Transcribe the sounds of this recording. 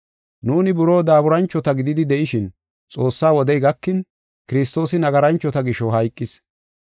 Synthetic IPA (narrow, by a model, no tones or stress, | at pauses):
nuːnɪbʊɾo̞ːd̪aːbʊɾɐnt͡ʃːɔt̪ɐɡɪd̪ɪd̪ɪd̪ɛʔɪʃɪn | t͡sʼo̞ːsːaːwɔd̪ɛjɡɐkːɪn | kɪɾɪs̬t̪o̞ːsɪnɐɡɐɾɐnt͡ʃːɔt̪ɐɡɪʃɔɦɐjkʼːɪs